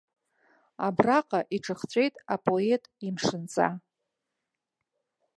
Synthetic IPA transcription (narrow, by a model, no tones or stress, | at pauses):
a̰braqʼaʔiʈ͡ʂʰɨχt͡ɕʷʼe̞jtʼapʼo̞e̞tʼimʂɨnt͡sʼa̰